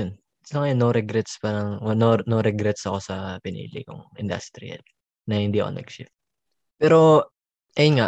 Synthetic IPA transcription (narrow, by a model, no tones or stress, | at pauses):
on | tlɐŋɐjonːoɾɛɡɾɛt̪spaːɾɐŋnonoɾɛɡɾɛt̪sɐko̞sɐpɪnḭːlɪ̰kʊ̰ŋʔɪ̰nd̪ɐ̰st̪ɾɪ̰ɐ̰l | nɐhɪnd̪iːɐʔo̰nɛ̰ɡʃɪ̰f̚ | pɛːɾo | ʔɐjonŋa